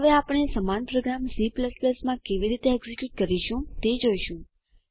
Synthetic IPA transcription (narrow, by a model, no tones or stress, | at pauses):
ɦəʋeapəɽ̃esəmanpɾoɡɾamsipləspləsmãkeʋiɾit̪eɛɡzikjuʈ̚kəɾiʃũt̪ed͡ʒoiʃũ